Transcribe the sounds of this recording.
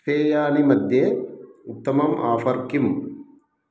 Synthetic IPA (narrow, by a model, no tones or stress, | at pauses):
pʰeːjaːnimɐd̪ʱjeut̪ːɐmɐmʔaːfɐɾkim